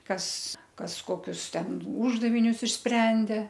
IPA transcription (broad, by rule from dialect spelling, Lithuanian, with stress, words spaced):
ˈkɐs ˈkɐs ˈkoːkʲʊs ˈtʲɛn ˈuːʒdɐʋʲɪnʲʊs ɪʃʲˈsʲpʲrʲɛnʲdʲeː